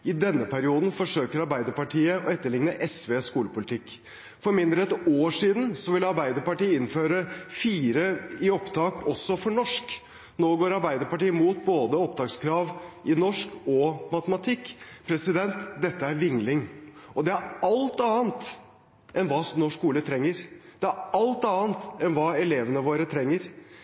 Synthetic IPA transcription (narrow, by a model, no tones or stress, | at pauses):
ɪd̪ɛnːəpʰæɾɪuːd̪nfɔʂøːkəɾɑɾbæɪd̪əpɑʈʰiːəɔɛt̪ːəɭɪŋnəʔɛsʋeːskuːləpʊlɪt̪ʰɪkː | fɔɾmɪnd̪ɾəɛt̪oːʂiːd̪nsɔʋɪlɑɾbæɪd̪əɾpɑʈiːəɪnføːɾəfiːɾəɪɔpt̪ʰɑːkʰɔsːɔfɔɳɔʂk | noːɡoːɾɑɾbæɪd̪əɾpɑʈiːəmuːt̪̚boːd̪əɔp̚d̪ɑːkskʰɾɑːʋʔɪnɔʂkɔmɑt̪əmɑt̪ʰɪkːpʰɾɛsɪd̪ɛnt̪d̪ɛt̪ːəæɾʋɪŋlɪŋɔd̪ɛæɾɑlt̪ɑːənt̪ | ʔɛnʋɑːnɔʂkːuːlət̪ʰɾɛŋːəɾd̪̥ɛæɾɑlt̪ɑːənt̪ɛnʋɑːɛleːʋənəʋoːɾət̪ʰɾɛŋːəɾ